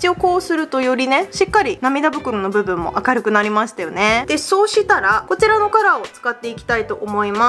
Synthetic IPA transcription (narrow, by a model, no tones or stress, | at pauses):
ii̥t͡ɕio̞ko̞ːsɨɾɯ̟t̪o̞jo̞ɾʲine̞ɕikːaɾʲinamʲid̪abɯ̟kɯ̟ɾono̞bɯ̟bɯ̟̃mːo̞̰ʔakaɾɯ̟kɯ̟naɾʲimaɕi̥t̪ajo̞ne̞d̪̥e̞so̞ːɕit̪aɾako̞t͡ɕiɾano̞kaɾao̞t͡sɨ̥kat̪ːe̞ikʲi̥t̪ait̪o̞ʔomo̞ima